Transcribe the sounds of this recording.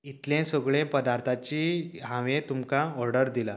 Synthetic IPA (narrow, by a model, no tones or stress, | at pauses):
it̪lẽsəɡɭẽpəd̪aɾt̪ʰat͡ɕiɦãʋẽt̪umkãɔɾɖəɾd̪ila